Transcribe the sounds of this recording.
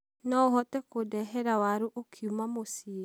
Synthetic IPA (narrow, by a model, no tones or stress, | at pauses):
nɔoɦɔtɛkodɛɦɛɾawaɾuʔokʰiumamosie